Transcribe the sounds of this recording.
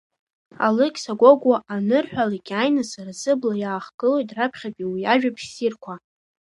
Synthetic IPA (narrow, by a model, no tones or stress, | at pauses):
a̰lɨkʲʼsaɡʷoɡʷaʔanɨrħʷᶣaliɡʲajnasarzɨblajaːχɡɨlo̞jtʼrapʰχʲapʼiwijaʒᶣapʰʃsirkʷʰa